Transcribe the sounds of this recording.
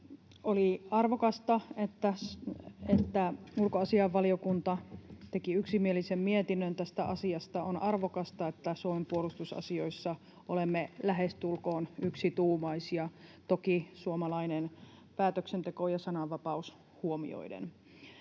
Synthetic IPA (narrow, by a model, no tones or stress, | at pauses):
oliɑrʋokɑst̪ɑet̪ːæ | et̪ːæulkoɑsiɑʋːɑliokunt̪ɑt̪ekiyksimielisemmiet̪inːønt̪æst̪æʔɑsiɑst̪ɑonʔɑrʋokɑst̪ɑet̪ːæsuomempuolust̪usɑ̰sio̞isːɑ | ʔolemːelæɦest̪ulkoːnyksit̪uːmɑisjɑt̪okisuomɑlɑinen | pæːt̪øksent̪ekojɑsɑnɑʋːɑpɑus | huomḭo̰idḛn